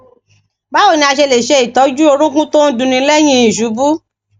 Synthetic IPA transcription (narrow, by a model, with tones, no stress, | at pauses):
ba˦wo˦˨nĩ˧a˧ʃe˧le˨ʃe˧˦i˨tɔ˨˦d͡ʒu˦o˧ɾ̃ũ˦kũ˦to˦n̩˦dũ˧nĩ˧˦lɛ˦j̃ĩ˦i˨ʃu˨˦bu˦